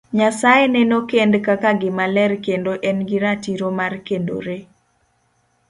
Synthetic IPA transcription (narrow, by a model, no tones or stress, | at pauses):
ɲasajenɛnokendkakaɡɪmalɛrkendoʔɛnɡɪɾatiɾomarkendo̰ɾe